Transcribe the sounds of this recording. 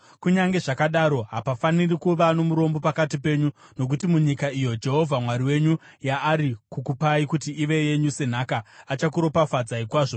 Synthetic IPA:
kuɲaŋɡe̞ʐakaɗaɾo̞ɦapafanirikuʋano̞muɾo̞mbo̞pakatipe̞ːɲuno̞k̬utimuɲikaijo̞d͡ʒe̞ɦo̞vʱamwaɾiwe̞ɲu | jaːɾikukupaikutiiʋe̞je̞ɲuse̞n̤akaːt͡ʃakuɾo̞pafad͡zaikwaːʐo

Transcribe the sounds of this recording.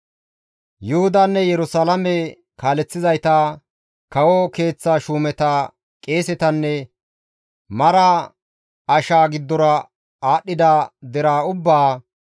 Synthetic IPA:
jʊhʊd̪aːnːɛjɛɾʊsalɐmɛ | kaːlɛt͡sːɪzɐjt̪a | kɐwɔke̞ːt͡sːaːʃuːmɛt̪ɐ | kʼe̞ːsɛt̪ɐnːɛ | mɐɾa | ɐʃaːɡɪd̪ːɔɾɐ | aːɗːɪd̪ad̪ɛɾaːʊbːaː

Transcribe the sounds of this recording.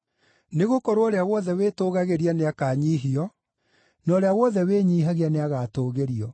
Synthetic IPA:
neɣokɔɾoɔɾeawɔðɛweːtoːɣaɣeɾianeakaːɲiːɦiɔ | nɔːɾeawɔðɛweːɲiːɦaɣeaneaɣaːtoːɣeɾiɔ

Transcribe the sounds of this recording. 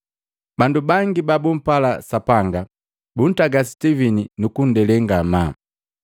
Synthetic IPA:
bandubaŋɡibabum̩pala̰sapaŋɡa | bun̩taɡasi̥tivininukun̩dɛlɛŋɡama

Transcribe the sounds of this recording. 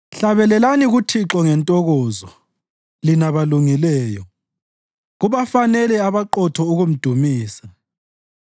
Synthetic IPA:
ɬaβɛlɛlaniɣutʰiǁɔŋɛntʼɔɣɔːzɔ | linaβaluŋilɛːjɔ | ɣuβafanɛlɛaβaǃɔtʰɔuɣum̩d̥ʱumiːsa

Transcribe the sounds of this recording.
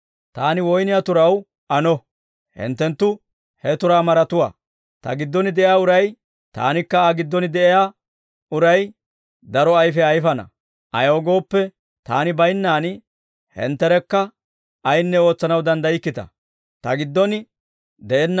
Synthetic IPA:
t̪aːnɪwɔjnɪjat̪ʊɾɐw | ʔɐnɔ | hɪ̰nt̪ːɛnt̪ːʊ | hɛt̪ʊɾaːmɐɾɐt̪ʊwa̰ː | t̪ɐ̰ɡɪd̪ːɔnɪd̪ɛʔɪjaːʊɾɐj | t̪a̰ːnɪkːɐaɡɪd̪ːɔnɪd̪ɛʔɛjaː | ʊɾɐj | d̪ɐɾɔɐjfɛɐjfɐnɐ̰ | ʔɐ̰joːɡo̞ːpːɛ | t̪a̰ːnɪbɐjnːaːn | hɛ̰nt̪ːɛɾɛkːɐ | ɐjnːɛo̞ːt͡sːɐnɐwd̪ɐnd̪ɐjɪkːɪt̪ɐ̰ | t̪ɐɡɪd̪ːɔnɪ | d̪ɛʔɛnː

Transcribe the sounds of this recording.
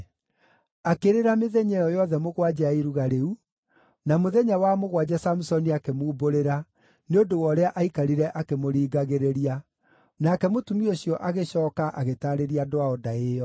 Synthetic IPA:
akeɾeɾameðɛɲɛjɔjɔðɛmoɣwad͡ʑaaiɾuɣaɾeu | namoðɛɲawamoɣwad͡ʑasamusɔniakemoːboɾeɾa | neodowɔɾeaʔaikaɾiɾɛʔakemoɾiːɡaɣeɾeɾia | nakɛmotumioɕijɔʔaɣeɕɔːkaʔaɣetaɾeɾiadoaɔdaejɔ

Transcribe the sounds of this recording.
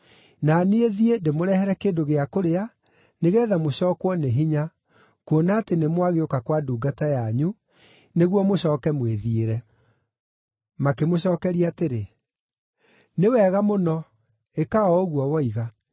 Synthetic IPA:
naneeðiendemoɾɛhɛɾɛkeːndoɣeakoɾea | neɣɛːðamoɕɔːkwɔneɦiɲa | kwonaːtenemwaɣeokakwaduːɡatajaɲu | neɣwɔmoɕɔːkɛmweðieɾɛ | makemoɕɔːkɛɾiaːteɾe | newɛːɣamonɔ | ekaɔoɣwɔwɔiɣa

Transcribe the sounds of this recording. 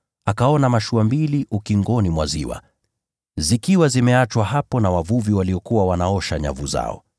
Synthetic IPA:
akaɔnamaʃuambiliʔukiŋɡɔnimwazḭwa̰ | zikiwazimɛat͡ʃwaɦapɔnawavuviwaliɔkuwawanaɔʃaɲa̰vuza̰ɔ̰

